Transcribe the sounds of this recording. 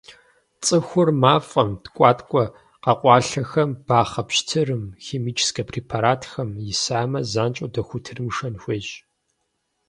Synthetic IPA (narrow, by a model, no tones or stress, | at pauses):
t͡sʼɨxʷʊrmaːfʼɐmtkʷʼɑːtʰʼkʷʼɔ | qɐqʷʼɑːɬɐxɐmb̥aːχɐpɕtʰɨrɨmxeːmiːt͡ʃʰskʰɐpʰriːpʰaɾaːtʰxɐmjɪsaːmɐzaːnt͡ʃʼodɐxʷʊtʰɨrmʂɐnxʷeːʒ